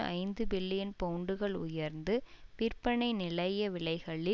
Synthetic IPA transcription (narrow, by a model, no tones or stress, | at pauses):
ʔɐ̰ɪnd̪ɯbɪlːɪjɐnpɐʊɳɖɯɣɐɭʊ̰jɐɾnd̪ɯpɪɾpɐɳɐɪnɪlɐjɐʋɪɭɐɪɣɐɭɪ